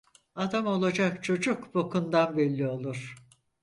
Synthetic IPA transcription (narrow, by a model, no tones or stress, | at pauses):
ad̪amo̞lˠad͡ʒakt͡ʃʰo̞d͡ʒukbokʰund̪anbɛlʲːio̞lˠuɾ̥